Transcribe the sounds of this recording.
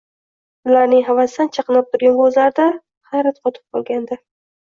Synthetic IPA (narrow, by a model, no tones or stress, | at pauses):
ʊlaɾnɪŋɦavasd̪ant͡ʃʰɑqɨnap̚t̪ʰʊɾɡʲankʰozlaɾd̪a | χaɾat̪qʰɒt̪ʰɪ̥p̚qʰɒlˠɡʲand̪ɪ